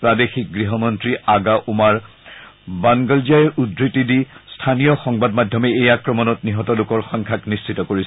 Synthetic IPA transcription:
pɹadexik̚ɡɹiɦɔmɔntɹiaɡaʔumaɹ | baŋɡɔlziaɹudɹitidistʰanijɔxɔŋbadmadʱjɔmɛejakɹɔmɔnɔtniɦɔtɔlʊkɔɹxɔŋkʰaknist͡ʃʰitɔkoɹisɛ

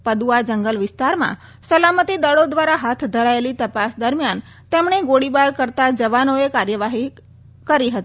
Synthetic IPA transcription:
pəd̪uad͡ʒəŋɡəlʋɪst̪aɾmã̰ | səlamət̪id̪əɭod̪ʋaɾaɦat̪ʰd̪ʱəɾaelit̪əpasd̪əɾmjan | t̪emɳ̃eɡoɽibaɾkəɾt̪ad͡ʒəʋanoekaɾjəʋaɦi | kəɾiɦət̪i

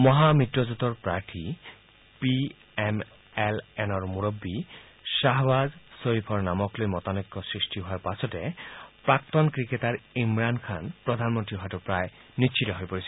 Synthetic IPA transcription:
mɔɦamit̪ɾɔzut̪ɔɹpɾaɹʈʰi | pi | em | elenɔɹmuɾobːi | ʃaɦbazsoɾipʰɔɹnamɔklojmɔt̪anekːɔsɹisʈiɦoaɾpasʰɔtepɾakt̪ɔnkɾiketaɾimɾankʰanpɾɔd̪ʱanmɔnt̪ɾiɦɔɦatupɾaj | niʃʰit̪ɔɦojpoɾisʰi̥

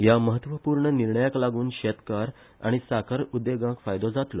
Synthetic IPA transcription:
jaməɦət̪ʋəpuːɾɳəniɾɳəjaklaɡuːnɕet̪kaɾ | a̰ɽ̃isakʰəɾud̪eɡãkfajd̪od͡zat̪lo

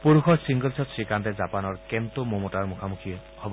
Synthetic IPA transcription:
puɹuxɔɹsiŋɡɔlsɔtsɹikantɛzapanɔɹkɛmt̪omomotaɹmukʰamukʰijɛ | hɔbɔ

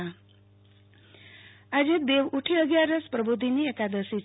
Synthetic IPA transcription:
a | ad͡ʒet̪̚b̪eʋuʈʰiəɡjaɾəspɾəbud̪ʱiniekad̪əsi

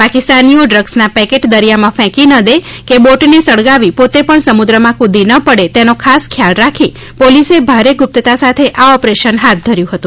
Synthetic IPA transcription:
pakɪst̪anijoɖɾəɡsnapɛkeʈd̪əɾijamãfɛ̃kinəd̪ekeboʈnesəɽɡaʋipot̪epəɳsəmud̪ɾəmãkʰud̪inəpəɽet̪enokʰaskʰjalɾakʰi | polisebʱaɾeɡʊp̚t̪ət̪asat̪ʰeʔaɔpɾeʃənɦat̪̚d̪ʱəɾjũɦət̪ũ

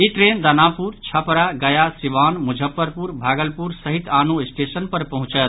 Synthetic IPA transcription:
iʈɾend̪ɐnapuɾt͡ʃʰɐpɾaɡɐjasiʋanmud͡ʒʱəpːəɾpuɾbʱaːɡəlpuɾsəɦit̪anuisʈesənpəɾpɐɦũt͡ʃət̪

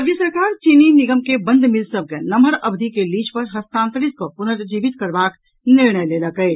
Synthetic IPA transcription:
əɡjəsəɾkaːɾt͡ʃininiɡəmkebə̃nd̪ʱmilsəb̚kenəməɾəbd̪ʱikelit͡ʃpəɾɦəst̪ãːnt̪ɾit̪̚kopunəɾd͡ʒiːbit̪kəɾbaːk | niɾɳəjleləkəɪ

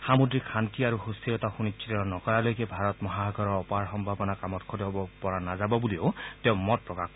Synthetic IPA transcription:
xamudɹikʰantiaɹuhustiɹɔtaxunit͡ʃʰitɔɔnɔkɔɹalojkɛbʱaɹɔtmɔɦaaɡʱɔɹɔɹɔpaɹxɔmbʱabɔnakamɔtkʰɔtiɦɔbɔpɔɹanazabɔbulioʊtɛʊ̃mɔt̚pɹɔkak

